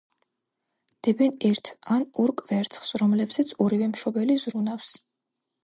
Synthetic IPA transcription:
d̪̥ɛbɛnɛɾt̪ʰanɔɾkʼvɛɾt̪sʰʼχsɾɔmlɛbzɛt̪sʰɔɾivɛmʃɔbɛlizɾunafs

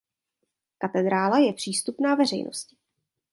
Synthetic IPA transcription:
kat̪ɛd̪ɾaːlajɛpr̝̥iːst̪upnaːvɛr̝ɛ̰jnʔo̞̰scɪ̥

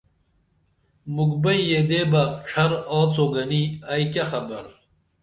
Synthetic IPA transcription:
mukbɐjjed̪eːbɐʂʰɐɾoːt͡soɡɐniɐjkɐxɐmɐɾ

